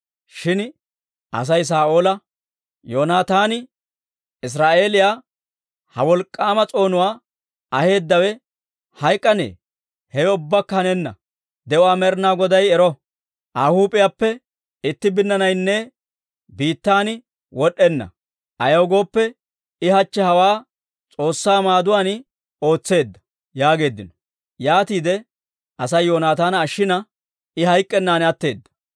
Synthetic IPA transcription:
ʃɪn | ɐ̰s̬ɐjs̬aːʔo̞ːlɐ | joːnaːt̪aːnɪ | ɪs̬ɾaːʔe̞ːlɪjaː | hɐwɔlkʼːaːmɐt͡sʼo̞ːnʊwaː | ɐhe̞ːd̪ːɐwɛ | hɐjkʼːɐnḛː | hɛɛʊbːakːɐhɐnɛnːɐ̰ | d̪ɛʔʊwaːmɛɾnaːɡɔd̪ɐjɛɾɔ | ʔaːhuːpʼɪjaːpːɛ | ɪt̪ːɪbɪnːɐnɐjnːɛ | biːt̪ːaːn | wʔɔɗːɛnːɐ̰ | ʔɐjɐwɡo̞ːpːɛ | ɪhɐt͡ʃːɛhɐwaː | t͡sʼo̞ːsːaːmaːd̪ʊwaːn | o̞ːt͡sːe̞ːd̪ːɐ | jaːɡe̞ːd̪ːɪnɔ̥ | jaːt̪iːd̪ɛ | ʔɐsɐjːo̞ːnaːt̪aːnːʃːɪnɐ | ɪɦɐjkʼːɛnːaːnɐt̪ːe̞ːd̪ːɐ̥

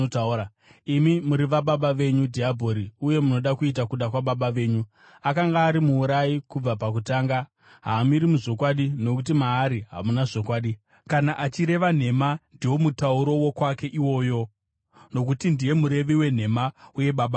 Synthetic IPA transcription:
taa | imimuɾiʋaɓaɓaʋe̞ɲudʱiabʱo̞ɾiuje̞muno̞ɗakuit̬akuɗakwaɓaɓaʋe̞ːɲu | akaŋɡaːɾimuːɾajikub͡vapak̬utaːŋɡa | ɦaːmiɾimuʐo̞kwaɗino̞kut̬imaːɾiɦa̰munaʐo̞kwaːɗi | kanaʔat͡ʃiɾe̞ʋan̤e̞mandiwo̞mutauɾo̞wo̞kwake̞ʔiwo̞ːjo̞ | no̞kutindije̞muɾe̞ʋiwe̞n̤e̞mauje̞ɓaɓa

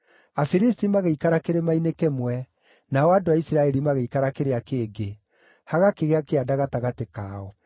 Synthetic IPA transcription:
afiɾistimaɣeikaɾakeɾemainekemwɛ | naɔadoaisiɾaɛɾimaɣeikaɾakeɾeakeːɡe | haɣakeɣeakeadaɣataɣatekaːɔ

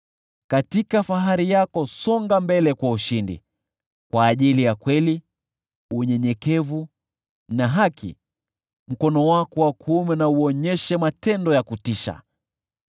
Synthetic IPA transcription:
katikafaɦaɾijakɔsɔŋɡambɛlɛkwauʃindḭ | kwaːʄilijakwɛli | uɲɛɲɛkɛvu | naɦakʰḭ | m̩kɔnɔwakɔwakʰumɛnauɔɲɛʃɛmatɛndɔjakutiʃa̰

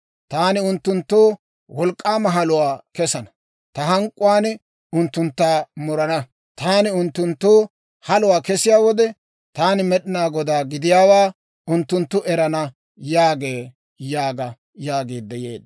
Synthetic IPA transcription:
t̪aːnɪʊnt̪ːʊnt̪ːoː | wɔlkʼːaːmɐɦɐlʊwaːkɛsɐnɐ | t̪ɐɦɐŋkʼːʊwaːn | ʊnt̪ːʊnt̪ːaːmʊɾɐnɐ | t̪aːnɪʊnt̪ːʊnt̪ːoː | hɐlʊwaːkɛsɪjaːwɔd̪ɛ | t̪aːnɪmɛɗɪnaːɡɔd̪aːɡɪd̪ɪjaːwaː | ʊnt̪ːʊnt̪ːʊʔɛɾɐnɐ | jaːɡeː | jaːɡɐ | jaːɡeːd̪ːɛjḛːd̪

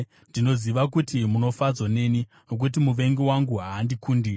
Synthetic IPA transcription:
ndino̞ziʋak̬utimuno̞fad͡zone̞ni | nok̬utimuʋe̞ŋɡiwaŋɡuɦaːndikuːndi

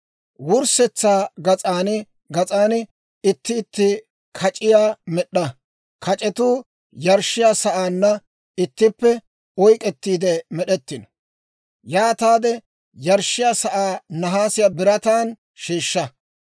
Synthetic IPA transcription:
wʊɾsɛt͡sːaːɡɐt͡sʼaːnɪ | ɡɐt͡sʼaːnɪ | ɪt̪ːɪːt̪ːɪ | kʰɐt͡ʃʼɪjaːmɛɗːɐ | kʰɐt͡ʃʼɛt̪uː | jɐɾʃɪjaːsɐʔaːnːɐ | ɪt̪ːɪpːɛ | ɔjkʼɛt̪ːiːd̪ɛmɛɗɛt̪ːɪnɔ̥ | jaːt̪aːd̪ɛ | jɐɾʃɪjaːsɐʔaːnɐɦaːsɪjaːbɪɾɐt̪aːn | ʃiːʃːɐ

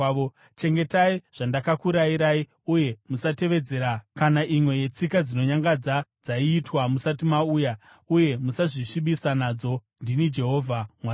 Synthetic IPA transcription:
o | t͡ʃe̞ŋɡe̞taiʐ̥andakakuɾaiɾai | uje̞musate̞ʋe̞d͡ze̞ːɾakanaʔimwe̞je̞t͡sikad͡zino̞ɲaŋɡad͡zad͡zaiːtwamusat̬imauːja | uje̞musaʐiʂiɓisanad͡zo̞ | ndinid͡ʒe̞ɦo̞ːvʱamwa

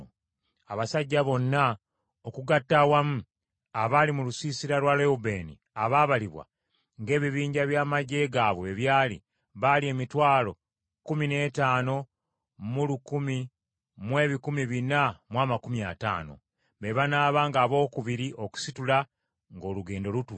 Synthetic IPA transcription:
aβasaɟːaβo̞nːa | okuɡatːawamu | aβalimulusiːsiɾalwaleube̞ːnḭ | aβaːβaliβwa̰ | ŋɡe̞ːβiβiːɲɟaβjaːmaɟe̞ɡaːβwe̞ːβjaːlḭ | βalie̞ːmitwaːlo̞ | kumine̞ːtaːno̞ | mulukumi | mwe̞ːβikumiβinamwaːmakumiata̰ːno̞̰ | βe̞βanaːβaːŋɡaːβo̞ːkuβiɾiʔo̞ku̥situla | ŋɡo̞ːluɡe̞ːndo̞lutu

